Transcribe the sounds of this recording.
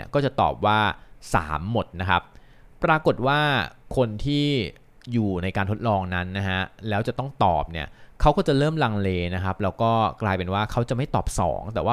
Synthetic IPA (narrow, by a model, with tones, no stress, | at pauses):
ɐkɔː˥˩t͡ɕa˨˩t̪ɔ̰ː˨˩p̚waː˥˩sa̰ː˩˦mːo˨˩t̪̚na˦˥kʰa˦˥p̚ː | ɾaː˧ko˨˩t̪̚waː˥˩kʰo˧nt̪ʰiː˥˩ | juː˨˩na˧jkaː˧nt̪ʰo˦˥t̪̚lɔː˧ŋna˦˥nːa˦˥ɦa˦˥lɛː˦˥wt͡ɕa˨˩t̪ɔ˥˩ŋt̪ɔ̰ː˨˩p̚ni˦˥˩ɐkʰa˦˥wkɔː˥˩t͡ɕa˨˩lɤː˥˩mla˧ŋleː˧na˦˥kʰa˦˥p̚lɛː˦˥wkɔː˥˩klaː˧jpe˧nwaː˥˩kʰa˦˥wt͡ɕa˨˩ʔma˥˩jt̪ɔː˨˩p̚sɔ̰ː˩˦ŋt̪ɛː˨˩waː˥˩